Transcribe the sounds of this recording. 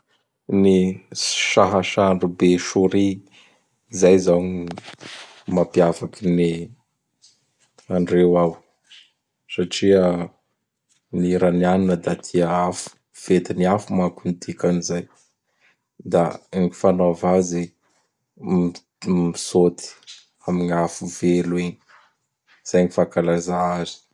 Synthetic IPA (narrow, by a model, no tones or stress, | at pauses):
ni | ʃaɦaʃaɳɖ͡ʐubeʃuɾi | zajzawɲi | mapiavakini | aɳɖ͡ʐewaw | saʈ͡ʂiə | niɾanianinəd̪at̪ʰiaafu̥ | fet̪iniafumakunit̪ʰikanizaj | d̪aeŋifanovaze | misot̪ʰi̥ | amiɲafuvelueɲi̥ | z̥ajɲifakalazaazi̥